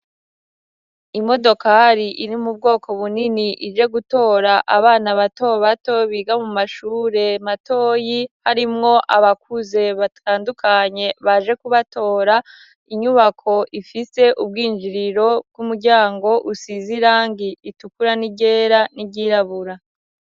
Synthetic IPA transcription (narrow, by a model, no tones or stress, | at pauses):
imo̞do̞kaɾiʔiɾimub̚ɡo̞ːkʰo̞βuniniʔid͡ʒe̞ɡuto̞ːɾaʔaβaːnaβato̞βato̞βiɡamumaʃuːɾe̞mato̞ːjihaɾimŋo̞ʔaβak̚uze̞βatʰaːndukʰaɲe̞βaʒe̞kuβato̞ːɾa | iɲuβakʰo̞ʔifise̞ʔub̚ɡiːnd͡ʒiɾiɾo̞b̚ɡumuɾɟaːŋɡo̞ʔusiziɾaːŋɡiitukuɾaniɟe̞ːɾaniɟiɾaβuɾa